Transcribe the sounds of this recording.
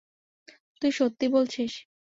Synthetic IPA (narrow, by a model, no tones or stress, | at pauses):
t̪ujʃot̪ːibolt͡ɕʰiʃ